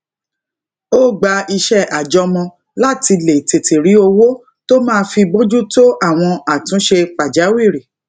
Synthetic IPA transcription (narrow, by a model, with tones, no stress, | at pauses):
o˦ɡ͡ba˧i˧ʃɛ˦˨ʔa˨d͡ʒɔ˧mɔ̃˧ | la˦ti˧le˨te˨ti˨ɾi˨˦o˧wo˦ | to˦mãː˦˧fi˧bo˦d͡ʒu˦to˦ʔa˦˨w̃ɔ̃˧a˨tũ˨˦ʃe˧k͡pa˨d͡ʒa˨˦wi˦˨ɾi˨